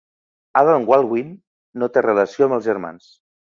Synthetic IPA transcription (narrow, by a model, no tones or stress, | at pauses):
aðalŋɡwalˠɣwinː | ot̪erələsioəmbəlˠzʒəɾma̰ns